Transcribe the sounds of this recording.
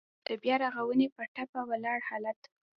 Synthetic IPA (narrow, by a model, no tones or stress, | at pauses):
d̪̥əbjɑɾaɣawənepəʈapawalɑɽhɑlat̪